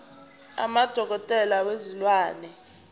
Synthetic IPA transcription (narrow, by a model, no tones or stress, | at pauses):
a̰mad̥ʱɔk̬ɔtʼɛlawezilwaːnɛ